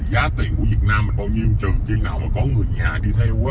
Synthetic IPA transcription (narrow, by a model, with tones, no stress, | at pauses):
zaː˨˦t̪ḭ˧˨ŋkṵ˧˩vi˨˩ət̚naː˧mːi˨˩ŋ̟ɓaː˧˩wɲi˧ə˧ŋ͡mt͡ɕɨ˨˩t͡ɕi˧naː˨˩wmaː˨˩kɔ˨˦ŋɨ˨˩əjɲaː˨˩ɗi˧t̪ʰɛ˧˦